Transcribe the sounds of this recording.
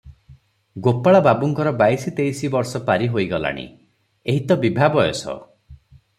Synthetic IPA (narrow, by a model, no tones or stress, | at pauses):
ɡopaɭababuŋkɔɾɔbajsit̪ejsibɔɾsɔpaɾiɦoiɡɔla̰ɽ̃ḭ | eɦit̪ɔbibʱabɔjɔ̰sɔ̰